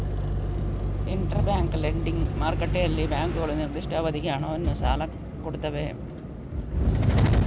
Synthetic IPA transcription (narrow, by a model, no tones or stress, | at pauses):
iɳʈɐrbjaːŋɡɨleɳɖiŋmaːrkːɐʈːeɐlːibaːŋɡɨɣɐɭenird̪iʂʈʰaːbɐd̪ʱikːɐjaːɳonːɨsa̰ːlɐ | koɽut̪ːɐʋeɐ̰m